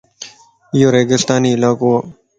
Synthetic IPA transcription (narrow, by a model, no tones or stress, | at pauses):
joːɾeːɡɪst̪aːniːɪlaːkoː